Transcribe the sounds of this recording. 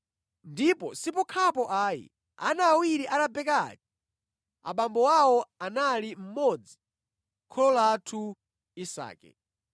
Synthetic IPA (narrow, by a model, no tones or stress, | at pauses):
ndipɔsipɔkʰapɔʔaːjḭ | a̰naːwiɾiʔaɾabɛkati̥ | a̰ɓambɔwawɔanalim̩mɔd͡zi̥ | kʰɔlɔlatʰu | isa̰ːkɛ̰